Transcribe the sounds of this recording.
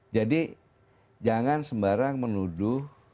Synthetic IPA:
d͡ʒadi | d͡ʒaŋansəmbaɾaŋmənudʊh

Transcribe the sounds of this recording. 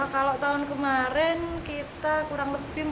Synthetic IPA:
kaloʔt̪aʊnkəmaɾɪnkit̪akuɾaŋləb̥ɪh

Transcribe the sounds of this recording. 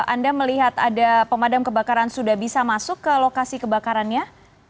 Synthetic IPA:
andaməliɦat̪adapəmadamkəbakaɾansudahbisamasʊkːəlokasikəbakaɾanɲa

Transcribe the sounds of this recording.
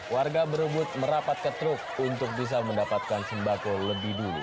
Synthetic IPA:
warɡabəɾəbʊt̪̚məɾapat̪̚kət̪ɾʊk̚unt̪ʊk̚bis̬aməndapat̪̚kansəmbakoləbɪhdulṵ

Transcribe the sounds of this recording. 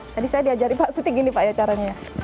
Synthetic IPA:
t̪adisajadiad͡ʒaɾipaʔsut̪iɡinipajat͡ʃaɾaɲaja

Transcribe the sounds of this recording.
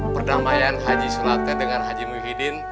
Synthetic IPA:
pərdamajanɦad͡ʒisəlat̪adəŋanɦad͡ʒimuɦidɪn

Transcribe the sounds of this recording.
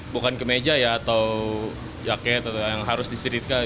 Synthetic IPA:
bukankəmed͡ʒajaːt̪aw | jakɛt̪ajjaŋɦaɾʊsdisiɾit̪̚ka

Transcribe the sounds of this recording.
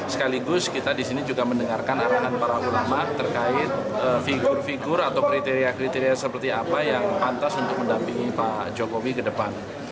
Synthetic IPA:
sə̥kaliɡʊskit̪adisinid͡ʒuɡaməndəŋarkanaɾaɦanpaɾaʔulamat̪ːərkaɪt̪̚əfiɡʊrfiɡʊɾat̪awkɾit̪eɾiakɾit̪eɾiasəpərt̪iapajaŋpant̪asunt̪ʊk̚məndampiŋipad͡ʒokowikədəpan

